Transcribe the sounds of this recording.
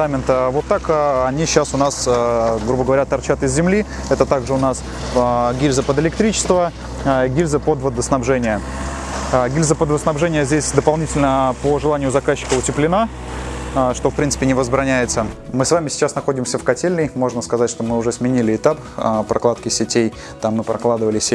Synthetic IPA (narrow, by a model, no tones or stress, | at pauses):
amʲɪnt̪əvo̞t̪ːakɐnʲiɕːasʊnasɡɾubəɡəvɐɾʲat̪ɐrt͡ɕat̪ɪzʲzʲɪmlʲi | ɛt̪ət̪aɡʐɨʊnas | ɡʲilʲzəpəd̪ɪlʲɪkt̪ɾʲit͡ɕɪ̥st̪və | ɡʲilʲzəpod̪vəd̪əsnɐbʐɛnʲɪjə | ɡʲilʲzəpəd̪vəsnɐbʐɛnʲɪjəzʲdʲesʲd̪əpɐlˠnʲitʲɪlʲnəpoʐɨlˠanʲɪjʊzɐkaɕːɪ̥kəʊtʲɪplʲɪna | ʂt̪o̞fpɾʲint̪sɨ̥pʲɪnʲɪvəzbɾɐnʲæjɪt̪səmɨsvamʲɪsʲɪ̥t͡ɕasnɐxo̞dʲɪmsʲəfkɐtʲelʲnɨjmo̞ʐnəskɐzatʲʂt̪o̞mɨʊʐɛsmʲɪnʲilʲɪɪt̪ap | pɾʔɐklˠat̪kʲɪsʲɪtʲej | t̪amːɨpɾɐklˠad̪ɨvəlʲɪsʲ